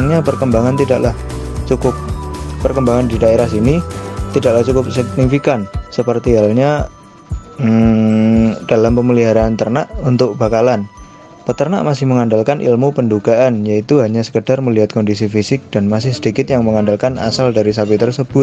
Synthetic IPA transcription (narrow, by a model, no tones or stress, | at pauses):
ŋɲapərkəmbaŋant̪idaʔlah | t͡ʃukʊp̚ːərkəmbaŋandidaeɾahsinit̪idaklaht͡ʃukʊp̚sək̚nifikansəpərt̪iɦalɲa | d̥alampəməliɦaɾaːnt̪ərnaʔunt̪ʊk̚b̥akalan | pət̪ərna̰ʔmasɪhməŋandalkanʔḭlmupənduɡ̥aʔanjait̪uɦaɲasə̥kəd̥arməliɦat̪̚kɔndis̬ifisɪk̚d̥anmasɪhsədikɪt̪̚jaŋməŋandalkana̰saldaɾis̬apit̪ərsəb̥ʊt̪̚